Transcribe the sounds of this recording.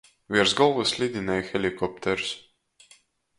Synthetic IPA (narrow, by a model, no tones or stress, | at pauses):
vʲiɾzɡɔlˠvɨslʲid̪ʲinɛjxɛlʲikɔp̚t̪ʰɛɾs